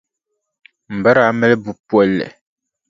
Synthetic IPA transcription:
m̩˨bə˦ɾa˨˦mɛ˦lɛ˦bu˨pwɛ˨lːɛ̰˨

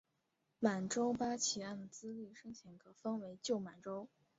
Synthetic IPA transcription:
ma˨˩nʈ͡ʂo˥ʊpa˥t͡ɕʰi˨˩a˥˩nd̪ə˩t͡sɹ̩˥li˥˩ʂɤ˥ŋt͡ɕʰjɛ˧˥nkʰɤ˨˩fɑ˥ŋwe˧˥ɪt͡ɕjo˥˩ʊma˨˩nʈ͡ʂo˥ʊ

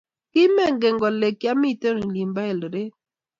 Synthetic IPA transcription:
kɪ˦mɛ˦˨ŋɡe˨ŋɡɔ˨le˨kːja˦mi˦˨te˦ɾli˨mba˦e˨lə˨ɾe˦

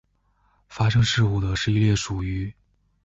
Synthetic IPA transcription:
fa˥ʂɤ˥ŋʂɻ̩˥˧u˥˩d̪ə˩ʂɻ̩˥˧i˥˧ljɛ˥˩ʂu˨˩y˧˥

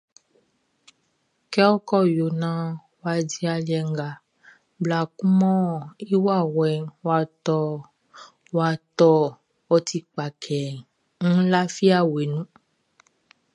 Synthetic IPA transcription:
kɛ˦wo˦kɔ˦jo˨nã˦ | wa˨d͡ʒi˨˦a˨li˨ɛ˨ŋ˦ɡa˨ | bla˨ku˦mɔ̃˦˨i˦wa˦˨wɛ˨wa˨t̪ɔ˦˨ | wa˨t̪ɔ˦ | ɔ˦t̪ʰi˨k͡pa˨kʰɛ˨ | ŋũ˦la˦fi˦a˦we˨nũ˦

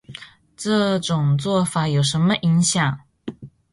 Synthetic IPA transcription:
ʈ͡ʂɤ˥˧ʈ͡ʂʊ˨˩ŋt͡swɔ˥˩fa˨˩jo˨˩ʊʂə˧˥nmə˧ʔi˧˥ŋɕjɑ˨˩ŋ

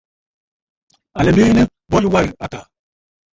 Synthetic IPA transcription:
a˨le˨mi˦nə˦ | bo˦lwa˦˨ɾi˨a˨ta˨

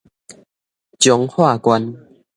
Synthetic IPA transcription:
t͡ɕjɔ˨˦ŋhwa˥˨kwa˧˦n

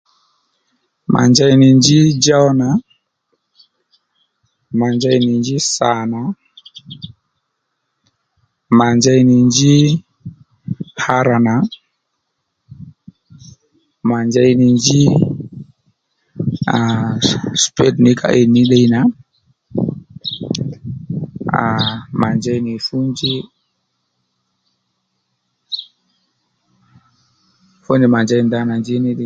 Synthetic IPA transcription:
mʔa̰˨ɲd͡ʒa˦jni˨ɲd͡ʒi˦d͡ʒa˦wna˨ | ma˨ɲd͡ʒa˦jni˨ɲd͡ʒi˦sa˨na˨˦ | ma˨ɲd͡ʒa˦jni˨ɲd͡ʒi˦ | ha˦ɾa˨na˨˦ | ma˨ɲd͡ʒa˦jni˨ɲd͡ʒi˦ | a | spedni˦kʰa̰˨ʔi˨ni˦ɗa˦jna | ama˨nd͡ʒa˦jni˨fu˦nd͡ʒi˦ | fo˦ni˨ma˨nd͡ʒa˦jnd̪a˦na˨nd͡ʒi˦ni˦ɗ

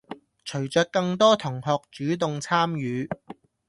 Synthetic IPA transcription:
t͡ʃʰɵ˨˩ɥt͡sœː˧k̚kɐ˧ŋt̪ɔː˥t̪ʰʊ˨˩ŋhɔː˨k̚t͡ʃyː˨˥t̪̬ʊ˨ŋt͡sʰaː˥mjyː˨˧

